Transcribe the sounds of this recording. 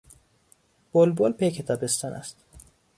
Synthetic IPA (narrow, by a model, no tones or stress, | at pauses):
b̥olbolpʰejcʰet̪ʰæbest̪ʰɒnæ̰st̪